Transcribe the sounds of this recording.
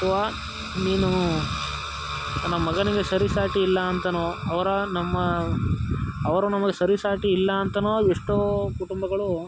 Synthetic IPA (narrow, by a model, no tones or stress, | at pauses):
ɐt̪ʰɐʋaː | niːnu | nɐmːɐɡɐniɡe̞sɐɾisaːʈiːlːɐːnt̪ɐnoːɐʋɐɾɐnɐmːɐ | ʋɐɾunɐmɐɡesɐɾisaːʈiːlːɐːnt̪ɐnoːeʂʈukuʈumbɐɡɐɭu